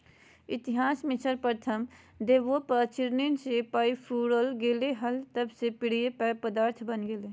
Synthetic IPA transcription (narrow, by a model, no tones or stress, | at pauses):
ɪt̪ɪɦaːsmɪt͡ʃəɾpəɾt̪ʰəm | d̪eːʋopəɾt͡ʃɪɾninsepaipʰuɽəlɡeleɦəlt̪əbsepɪɽ̤ijepəpəd̪aːɾt̪ʰbənɡele